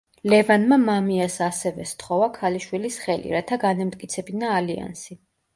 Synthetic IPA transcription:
lɛvanmamamiasasɛvɛst̪ʰχɔvakʰaliʃwilisχɛlḭɾat̪ʰaɡanamt̪ʼkʼit̪sʰɛbinaːlia̰nsi

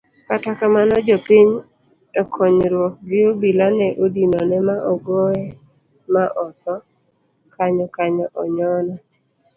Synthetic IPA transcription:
katakamanɔd͡ʒopiɲ | ɔkʰɔɲɾwɔk̚ɡɪobilanɛʔodinɔnɛmaʔɔɡoɛ | maʔɔt̪ɔ | kaɲɔkaɲɔʔɔɲɔnɔ

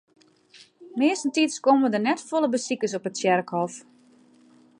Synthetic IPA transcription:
mɪəsn̩titskomədərnɛtfolˠəbəsikəsɔpətsjɛrkhɔf

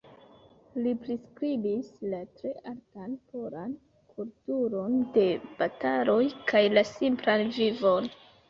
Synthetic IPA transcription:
lipɾiskɾibislatɾe̞ʔaɾtanpoɾan | kʰultuɾo̞nde̞b̥atalo̞jkʰajlasimplanvivo̞n

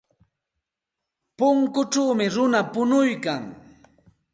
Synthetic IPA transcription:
pʊŋkʊʈ͡ʂawmɪɾʊnapʊnʊjkaŋ

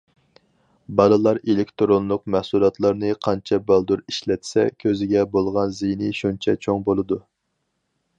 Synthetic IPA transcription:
bɑlˠɨlˠɑɾelɪkʲt̪ɾonlˠʊqmɛhsulˠɑt̪lˠɑɾnɨqʰɑnt͡ʃʰɛbɑlˠd̪uɾiʃlɛt̪ʰsɛ̰kʲʰøzɪɡʲɛbolˠʁɑnzijnɪʃunt͡ʃʰɛt͡ʃʰoŋbolˠɨd̪u

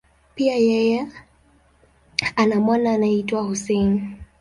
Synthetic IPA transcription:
piajɛjɛ | anamwanaːnaitwahusɛni

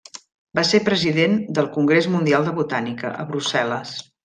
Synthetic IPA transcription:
basepɾəziðend̪əlˠkuŋɡɾezmund̪ialˠd̪əβut̪anikə̰ʔə̰βɾusɛləs

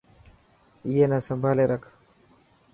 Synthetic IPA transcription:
ijenasɐmbaleɾak

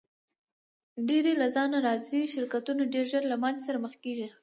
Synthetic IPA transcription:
ɖeɾelazɑnaɾɑziʃɪɾkat̪unaɖeɾʒəɾlamanzsaɾaməxkeʒi

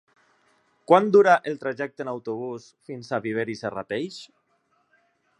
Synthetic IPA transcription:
kwand̪uɾaʔelˠt̪ɾaʒɛk̚t̪enawt̪oβ̞us | finsaβiβ̞eɾisara̰t̪ejʃ

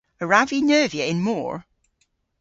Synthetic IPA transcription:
əɹavinɜːviəɪ̃nmɔ̰ːɹ

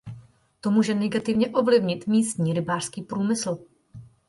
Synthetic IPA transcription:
t̪o̞muːʒɛnɛɡat̪ɪvɲɛʔo̞vlɪvɲɪt̪miːst̪ɲiːɾɪbaːr̥skiːpɾuːmɪsl̩

